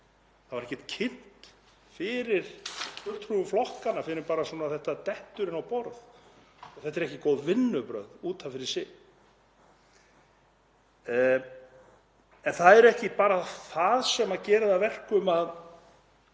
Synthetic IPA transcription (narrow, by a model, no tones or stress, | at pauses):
θavaɾɛhcːɛt̪̚cʰɪn̥t̪ | fɪɾɪɾ̥fʏl̥t̪ruvʏmflɔhkanːafɪɾɪɾpaːɾasuːnaθɛht̪at̪ɛht̪ʏɾɪnawpɔɾð | ɔɣθɛht̪ɛɾɛhcɪkoːwðvɪnːʏpɾœ̰ɥðuːt̪ʰafɪɾɪ̥sɪ | ɛnθaðɛɾɛhcɪpaːɾaθaðsɛmːacɛːɾɪðavɛr̥kʏmað